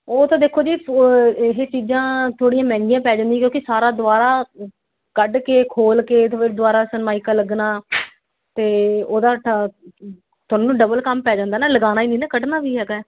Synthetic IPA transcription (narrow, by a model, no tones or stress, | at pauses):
oːt̪ãːd̪eːkʰoːd͡ʒiː | ɦeːt͡ʃiːd͡ʒãːt̪ʰoːɽijãːmɛ̃ːŋɡɪjãːpɛːd͡ʒãːnd̪ĩːkjõːkisaːɾaːd̪ʊaːɾaː | kəɖkeːkʰoːlkeːt̪ːɪd̪ʊaːɾaːsənmaːiːkaːləɡnaː | t̪eːoːd̪aː | t̪ʊɔːnũːɖəbəlkəmpɛːd͡ʒãːnd̪aːnɛːləɡaːnaːiːniːnɛːkəɖnaːʋiːɦɛːɡː